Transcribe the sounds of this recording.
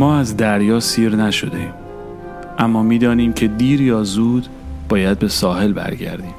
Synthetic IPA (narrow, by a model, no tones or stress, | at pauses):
mɒːæzd̪æɾjɒːsiːɾnæʃo̞d̪eiːm | ʔæmːɒːmiːd̪ɒːniːmcʰe̞d̪iːɾjɒːzuːd̪ | b̥ɒːjæd̪̚be̞sɒːɦe̞lbæ̰ɾɟæ̰ɾd̪iːm